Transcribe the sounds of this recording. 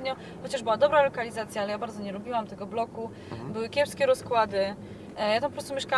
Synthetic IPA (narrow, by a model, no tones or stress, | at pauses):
ɲɔ | xɔt͡ɕaʐbɘwad̪ɔbɾalɔkalʲizat̪sʲjaalɛjabaɾd̪zɔɲɛlubʲiwamt̪ɛɡɔblɔku | bɘwɘkʲɛpskʲɛɾɔskwad̪ɘ | jat̪ampɔpɾɔst̪umʲjɛʂka